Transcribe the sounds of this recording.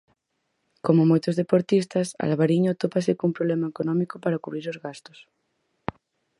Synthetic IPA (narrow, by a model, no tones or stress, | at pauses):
komomojt̪ozðepoɾt̪ist̪asa̰lβaɾiɲot̪opasikumpɾoβlemaekonõmikopaɾakuβ̞ɾiɾozɣast̪os